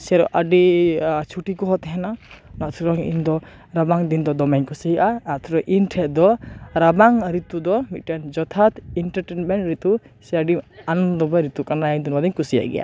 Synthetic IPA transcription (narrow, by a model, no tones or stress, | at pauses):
sɛaɾɔ̰ʔaɖit͡ʃʰuʈikɔɦɔt̪ɛɦɛnanat̪ʰuɾɔŋḭnd̪ɔ | ɾabaŋd̪ind̪ɔd̪ɔmaɲkusiɦjʔaat̪ʰɾɔŋʔinʈʰɛd̪ɔɾabaŋɾit̪ud̪ɔmit̪̚ʈand͡ʒɔt̪ʰat̪iɳʈaɾʈenmɛɳʈɾit̪u | sɛaɖianɔnd̪ɔbɔɾit̪ukanaand̪inbad̪iɲkusija̰ʔɡɛ̰jʔa̰